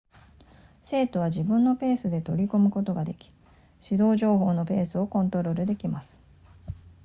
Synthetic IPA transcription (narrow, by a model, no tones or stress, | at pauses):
se̞ːt̪o̞β̞aʑibɯ̟̃nːo̞pe̞ːsɨd̪e̞t̪o̞ɾʲikomɯ̟ko̞t̪o̞ɡad̪e̞kʲi̥ | ɕid̪o̞ːʑo̞ːɦo̞ːno̞pe̞ːsɨo̞kõ̞nt̪o̞ɾo̞ɾɯ̟d̪e̞kʲimasɨ̥